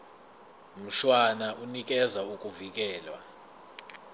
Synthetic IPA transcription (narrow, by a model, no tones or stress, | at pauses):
m̩ʃwanaʔunik̬ʼɛzaukʼuvik̬ʼɛːlwa̰